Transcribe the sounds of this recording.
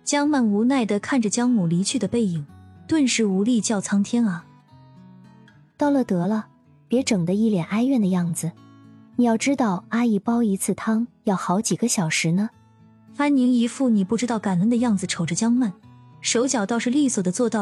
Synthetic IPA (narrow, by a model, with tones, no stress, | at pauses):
t͡ɕjɑ˥ŋma˥˩nu˧˥na˥˩ɪd̪ə˩kʰa˥˩nʈ͡ʂə˩t͡ɕjɑ˥ŋmu˨˩li˧˥t͡ɕʰy˥˩d̪ə˩pe˥˩ɪi˨˩˦ŋt̪wə˥˧nʂɻ̩˥˩u˧˥li˥˧t͡ɕjɑ˥˩ʊt͡sʰɑ˥ŋt̪ʰjɛ˥nɐ˨˩ | t̪ɑ˥˩ʊlə˥˧t̪ɤ˧˥lə˧ | pjɛ˧˥ʈ͡ʂɤ˨˩ŋd̪ə˦i˥˩ljɛ˨˩nʔa˥ɪɥɛ˥˩nd̪ə˩jɑ˥˩ŋd͡zɹ̩˩ni˨˩jɑ˥˧ʊʈ͡ʂɻ̩˥t̪ɑ˥˩ʊa˥i˥˩pɑ˥ʊi˧˥t͡sʰɹ̩˥˩t̪ʰɑ˥ŋjɑ˥˩ʊxɑ˧˥ʊt͡ɕi˨˩ɡə˦ɕjɑ˨˩ʊʂɻ̩˧˥nə˧ | fa˥nni˧˥ŋi˧˥fu˥˩ni˨˩pu˥˩ʈ͡ʂɻ̩˥t̪ɑ˥˩ʊka˨˩nə˧˥nd̪ə˧jɑ˥˩ŋd͡zɹ̩˩ʈ͡ʂʰo˨˩ʊʈ͡ʂə˧t͡ɕjɑ˥ŋma˥˩nʂo˧˥ʊt͡ɕjɑ˨˩ʊt̪ɑ˥˧ʊʂɻ̩˥˧li˥˩swɔ˨˩d̪ə˦t͡swɔ˥˧t̪ɑ˥˩ʊ